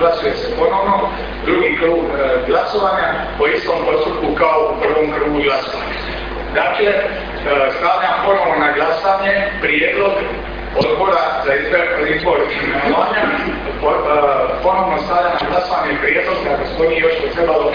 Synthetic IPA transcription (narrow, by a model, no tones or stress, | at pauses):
lasujesepo̞no̞ʋno | d̪ɾuɡikɾuːɡɡlasoʋaːɲa | oist̪o̞mpo̞st̪up̚kukaouprʋo̞ːmkɾuːɡuɡlasoʋa̰ɲa | d̪aːkle̞ | st̪aːʋʎapo̞noʋnonaɡlasaɲepɾjeːd̪lˠo̞ɡ | od̪bo̞ɾazaizbeoizbo̞ɾemenoʋaːɲa | p | po̞no̞ʋnost̪aːʋʎanaɡlasoʋaɲepɾjeːd̪lo̞ɡd̪akesmoniejoʃpot̪ɾebalo